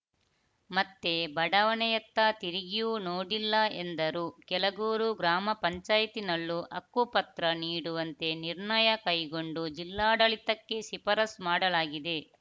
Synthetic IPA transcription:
mɐt̪ːe̞bɐɽɐʋɐnɛjɐt̪ːɐt̪iɾiɡijunoːɽilːɐend̪ɐɾuːkɛlɐɡuːɾuɡɾaːmɐpɐɲt͡ʃaːjɐt̪inɐlːuʔɐkːupɐt̪ɾɐniːɽuʋɐnt̪e̞niɾɳɐjɐkɐjɡo̞ɳɖud͡ʒilːaːɽɐɭit̪ɐkːe̞sipɐɾɐsmaːɽɐlaːɡid̪e̞

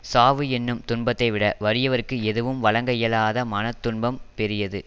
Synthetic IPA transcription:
saːʋɯɛnːɯmt̪ʊɳbɐt̪ːɐɪʋɪɽɐʋɐɾɪjɐʋɐɾɯkːɯɛðɯʋɯmʋɐɭɐŋɡɐjɐlaːðɐmɐnɐt̪ːʊɳbɐmpɛɾɪjɐðɯ

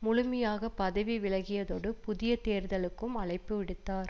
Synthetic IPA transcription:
mʊɻʊmɐjaːɣɐpɐðɐʋiʋɪlɐɣɪjɐðoːɽɯpʊðɪjɐt̪eːɾðɐɭɯkːɯmɐɭɐɪpːɯʋɪɽɯt̪ːaːɾ

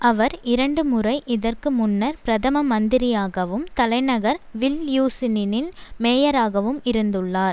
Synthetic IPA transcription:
ʔɐʋɐɾɪɾɐɳɖɯmʊrɐɪʔɪðɐrkɯmʊnːɐɾpɾɐðɐmɐmɐnd̪ɪɾɪjaːɣɐʋɯmt̪ɐlɐɪnɐɣɐɾʋɪljuːsɪnɪnɪnmeːjɐɾaːɣɐʋɯmɪɾɯnd̪ɯɭːaːɾ

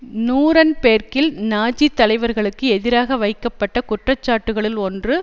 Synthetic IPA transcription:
nuːɾɐnpeːrkɪlnaːd͡ʒit̪ːɐlɐɪʋɐɾɣɐɭɯkːɯɛðɪɾaːɣɐʋɐɪkːɐpːɐʈːɐkʊʈrɐt͡ʃːaːʈːɯɣɐɭɪlɔndrɯ

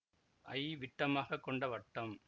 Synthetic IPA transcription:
ʔɐɪʋɪʈːɐmaːɣɐkːɔɳɖɐʋɐʈːɐm

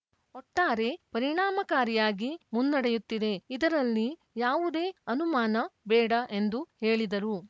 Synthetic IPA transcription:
ɔʈːaːɾe̞pɐɾiɳaːmɐkaːɾijaːɡimunːɐɽejut̪ːid̪e̞id̪ɐɾɐlːi | jaːʋud̪e̞ːɐnumaːnɐbɛːɽɐʔe̞nd̪uheːɭid̪ɐɾu

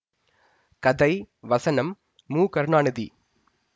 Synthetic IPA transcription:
kɐd̪ɐɪ | ʋɐsɐnɐmː | uːkɐɾɳaːɳɐðḭ

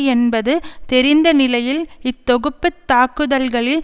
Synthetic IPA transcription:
ɛnbɐðɯt̪ɛɾɪnd̪ɐnɪlɐjɪlɪt̪ːɔɣɯpːɯt̪ːaːkːɯðɐlɣɐɭɪl

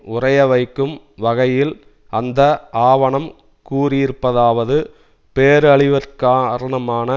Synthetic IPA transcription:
ʊrɐjɐʋɐɪkːɯm | ʋɐɣɐjɪl | ʔɐnd̪ɐʔaːʋɐɳɐm | kuːrɪjɪɾɯpːɐðaːʋɐðɯ | peːɾɐɭɪʋɐɾkaːɾɐɳɐmaːnɐ

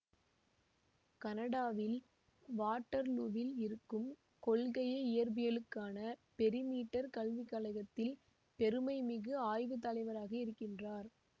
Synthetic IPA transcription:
kɐnɐɽaːʋɪl | ʋaːʈːɐɾluːʋɪlɪɾɯkːɯm | kɔɭɣɐjɐɪjɐɾbɪjɐlɯkːaːnɐpɛɾɪmiːʈːɐɾkɐɭʋɪkːɐːlɐɪɣɐt̪ːɪl | pɛɾɯmɐɪmɪɣɯaːjʋɯt̪ɐlɐɪʋɐɾaːɣɐɪɾɯkːɪndraːɾ

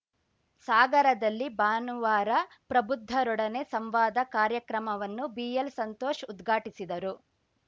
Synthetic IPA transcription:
saːɡɐɾɐd̪ɐlːibaːnuʋaːɾɐ | pɾɐbud̪ʱːɐɾɔɽɐne̞sɐmʋaːd̪ɐkaːɾjɐkɾɐmɐʋɐnːubiːjelsɐnt̪ɔːʃud̪ɡʱaːʈisid̪ɐɾu

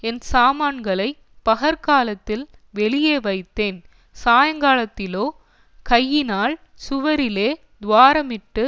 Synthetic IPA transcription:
ɛnsaːmaːɳɡɐɭɐɪ | pɐɣɐɾkaːlɐt̪ːɪl | ʋɛɭɪjeːʋɐɪt̪ːeːn | saːjɐŋɡaːlɐt̪ːɪloː | kɐjːɪnaːl | sʊʋɐɾɪleː | d̪ʋaːɾɐmɪʈːɯ

